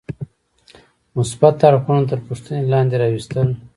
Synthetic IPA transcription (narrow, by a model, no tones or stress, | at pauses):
mʊsbat̪ːɑɾixunot̪əɾpuʂt̪ənelɑnd̪eɾɑwist̪əl